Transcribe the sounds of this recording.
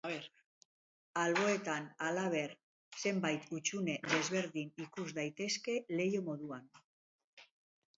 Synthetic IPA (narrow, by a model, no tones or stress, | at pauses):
ɾ | alβo̞e̞t̪analaβ̞e̞ɾ | se̞mbajt̪ut͡ʃune̞ðe̞zβe̞ɾðinikuzðajt̪e̞ske̞le̞jomo̞ðuan